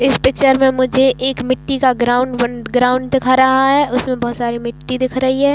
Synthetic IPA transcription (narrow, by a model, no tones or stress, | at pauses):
ɪspɪk̚t͡ʃəɾmẽmʊd͡ʒʱeʔeːkmɪʈːikaɡɾaːʊ̃ɳɖwɐɡɾaːʊ̃ɳɖd̪ɪkʰaɾɐɦaɦɛʔʊsmẽbɔːt̪saːɾimɪʈːid̪ɪkʰɾɐɦiɦɛː